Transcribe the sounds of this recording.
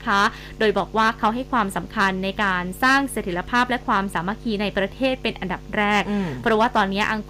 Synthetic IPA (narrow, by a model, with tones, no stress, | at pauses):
kʰa˦˥ | doː˧jbɔː˨˩k̚waː˥˩kʰa˦˥wɦa˥˩jkʰwaː˧msa˩˦mkʰa˧nːa˧jkaː˧nsaː˥˩ŋse˨˩t̪ʰːi˩˦la˧pʰaː˥˩p̚lɛ˦˥kʰwaː˧msaː˩˦ma˧˥kʰiː˧na˧jpɾa˧t̪ʰeː˥˩t̪̚pe˧nʔa˧nda˨˩p̚ɾɛː˥˩k̚pʰɾɔ˦˥waː˥˩t̪ɔː˧nːi˦˥ɐʔa˧ŋ